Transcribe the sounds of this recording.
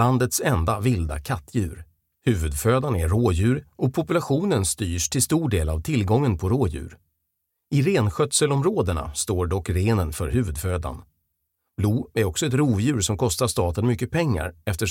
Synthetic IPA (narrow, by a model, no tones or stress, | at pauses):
and̪ət̪sɛnd̪avɪld̪a̰kʰat̪ʰːjʉ̟ːɾ | hʉ̟ːvɵd̪føːd̪anæɾoːjʉ̟ːɾʔɔpʰɔpɵlaɧuːnənst̪yːʂʈʰɪlst̪uːɖeːla̰vt̪ʰɪlɡɔŋːənpʰɔɾoːjʉ̟̰ːɾ | ɪɾeːnɧœt̪səlɔmɾoːd̪əɳa̰st̪oːɖɔkɾeːnənfœɾhʉ̟ːvɵd̪føːd̪a̰n | b̥luːæɾɔksɔɛt̪ɾuːvjʉ̟ːɾʂɔmkʰɔst̪aʂt̪ɑːt̪ənmʏkːəpʰɛŋːa̰ɾɛft̪əʂ